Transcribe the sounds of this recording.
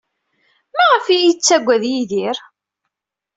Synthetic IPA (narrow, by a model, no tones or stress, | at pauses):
mæʁəfijit͡sːæɡʷːæðjiðiɾ